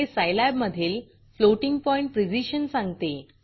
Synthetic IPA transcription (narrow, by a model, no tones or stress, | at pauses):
esajlabməd̪ʱiːl | floʈiŋɡ̚pɔĩɳʈ̚pɾid͡ʑiɕənsãŋɡt̪e